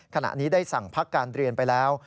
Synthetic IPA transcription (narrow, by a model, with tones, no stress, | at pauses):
kʰa˧na̰˨˩niː˦˥daː˥˩jsa˨˩ŋpʰa˦˥kːaː˧nɾi˧ənpa˧jlɛː˦˥w